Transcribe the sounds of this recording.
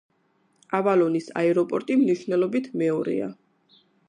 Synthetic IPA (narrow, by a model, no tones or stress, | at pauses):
avalɔnisa̰ɛɾɔpʼɔɾt̪ʼimniʃvnɛlɔbit̪ʰmɛɔɾḭa̰